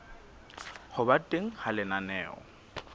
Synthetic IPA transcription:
hʊbatʼeŋ̩halɪnanɛːɔ̰

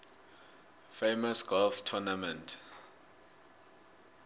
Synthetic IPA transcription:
fejmɔsɡ̥ɔlftʰɔnamɛ̃ntʰ

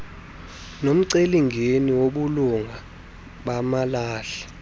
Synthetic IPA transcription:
nom̩ǀeliŋʱeniwoɓuluŋʱa | ɓamalaːɬɛ̥

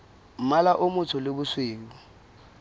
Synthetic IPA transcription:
m̩malaʔʊmʊt͡sʰʊlɪbʊsweːŋʊ

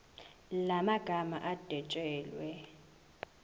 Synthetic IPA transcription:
lamaɡ̥ʱama̰ʔad̥ʱɛt͡ʃʼɛːlwɛ

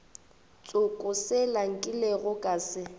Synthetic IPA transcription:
t͡sʼʊkʼʊsɪlaŋ̩kʼɪleɣʊkʼaːsɪ

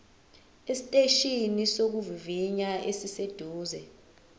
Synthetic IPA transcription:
esi̥tʼeʃinisok̬uviviɲaesised̥ʱuːzɛ

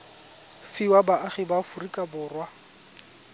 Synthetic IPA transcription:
fiwabaʔaχibafʊrikʼabʊːrwa

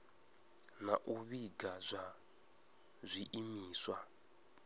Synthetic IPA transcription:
naʔuβiɡazʷa | zʷiʔimiːswa

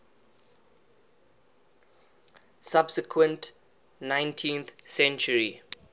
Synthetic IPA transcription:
sabsɪkʰwə̃nt | nãj̃ntʰĩnθsɛ̃nt͡ʃuɹi

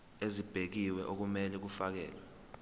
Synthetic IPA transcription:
ezib̥ʱek̬iwɛʔok̬umɛlɛk̬ufak̬ɛ̰ːlwɛ

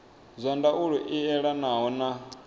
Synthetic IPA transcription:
zʷandaʔuɺɔʔiɛɺanaɦɔna

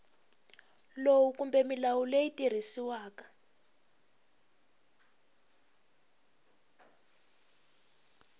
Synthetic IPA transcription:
lowukumbɛmilawulejitir̤isiwaːkḁ

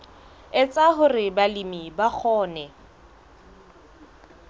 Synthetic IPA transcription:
ɪt͡sʼaɦʊrɪbalimibak͡xʰɔːnɛ

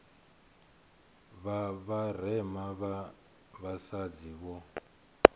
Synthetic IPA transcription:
βaβarɛmaβa | βasad͡ziβɔ

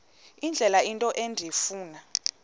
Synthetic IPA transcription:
ind͡ɮʱɛlaintʼɔʔendʱifuːna

